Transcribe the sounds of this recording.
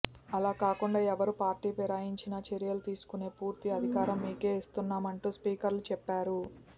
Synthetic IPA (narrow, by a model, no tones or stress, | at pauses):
ɐlaːkaːkuɳɖaːɛʋɐɾupaːɾʈiːpɛɾaːjiɲt͡ʃinɐt͡ʃeɾijɐlut̪iːsu̥kune̞ːpuːɾt̪iɐd̪ʱikaːɾɐmːiːke̞ist̪unːaːmɐɳʈuːspiːkɐɾlut͡ʃɛpːaːɾu